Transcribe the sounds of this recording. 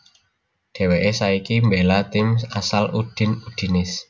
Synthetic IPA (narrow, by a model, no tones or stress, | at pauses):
ɖ̥e̤weʔesaikimbelat̪ɪmsasalud̥ɪ̤nuɖ̪̥i̤nɪs